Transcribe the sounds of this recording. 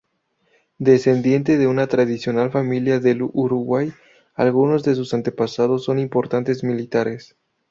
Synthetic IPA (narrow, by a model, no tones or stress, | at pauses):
d̪e̞se̞nd̪je̞nt̪eðe̞unat̪ɾað̞isjo̞nalfamiljaðe̞luɾuɣwaj | alɣuno̞zðe̞s̬usant̪e̞pasað̞o̞sːo̞nimpo̞ɾt̪ant̪e̞zmilit̪aɾe̞s